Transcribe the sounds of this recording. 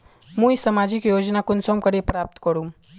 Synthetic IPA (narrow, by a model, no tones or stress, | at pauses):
mũisəmad͡ʒikjoːd͡ʒnakʊnsomkəɾepɾaːp̚t̪kəɾũm